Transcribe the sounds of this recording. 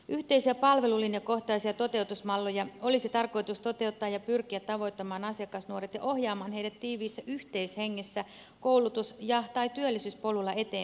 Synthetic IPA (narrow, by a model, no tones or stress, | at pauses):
ʔyht̪eisiæpɑlʋe̞lulːinɑko̞ht̪ɑisiɑt̪o̞t̪e̞ut̪usmɑlːojɑo̞lisit̪ɑrko̞jt̪ust̪o̞t̪e̞ut̪ːɑːjɑpyrkiæt̪tːɑʋo̞jt̪ːɑmɑːnɑsiɑkɑsnuoret̪jɑ̰ʔo̞hjɑːmɑːnɦe̞idæt̪tːiːʋiːsːæʔyht̪e̞isheŋːesːæ | ko̞wlut̪usjɑt̪ɑit̪yølːisyːspo̞lulːɑe̞t̪eː